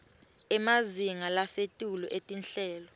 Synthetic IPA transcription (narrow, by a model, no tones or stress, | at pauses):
ɛmaziŋalasetʼulɔ̰ʔetʼinɬɛːlɔ